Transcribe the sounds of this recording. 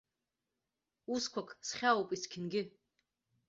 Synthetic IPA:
uskʷʰakʰsχʲawpʼiskʲʰɪnɡʲɪ

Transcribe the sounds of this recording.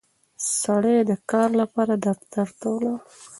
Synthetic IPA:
saɽed̪əkɑɾlapɑɾad̪aɾt̪aɾt̪ola

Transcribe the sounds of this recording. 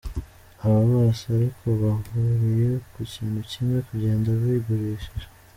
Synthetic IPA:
aβaβasaɾikʰo̞βaɦuɾije̞kuciːnhucime̞kuɟe̞ːndaβiːɡuɾiːʃiɾḁ

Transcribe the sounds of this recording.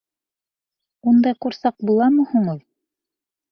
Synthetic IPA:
und̪ɑjquɾsɑq̚bulˠɑmɤ̆huɴuð

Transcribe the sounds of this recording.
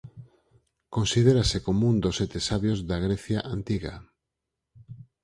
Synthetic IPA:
konsið̞eɾasekomũnd̪oset̪esaβjozðaɣ̞ɾeθjaʔant̪iɣa̰

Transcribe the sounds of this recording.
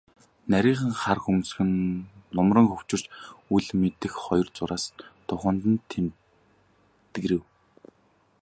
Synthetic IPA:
næɾʲiːχə̆ŋχarxums̆xɘ̆nːʊmrə̆ŋxɵwt͡ɕɪ̆r̥t͡ɕuɮmet̪ɘ̆xχɔjɞ̆rt͡sʊɾaːst̪ʰʊχə̆nt̪ə̆nt̪ʰːem | t̪ɡɾɘ̆w

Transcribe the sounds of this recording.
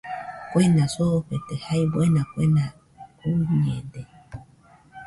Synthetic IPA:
kwenãsoɸet̪ehaibwenãkwenã | uɲẽd̪e

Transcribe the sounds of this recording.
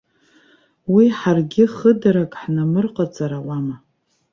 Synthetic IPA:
wiħarɡʲɪχədaɾakʼħnamɨrqʼat͡sʼaɾawama

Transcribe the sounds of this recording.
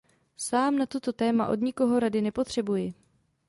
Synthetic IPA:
saːmnat̪ot̪o̞t̪ɛːmaʔod̪ɲɪko̞ɦo̞ɾadɪnɛpo̞t̪r̝̥ɛbujɪ

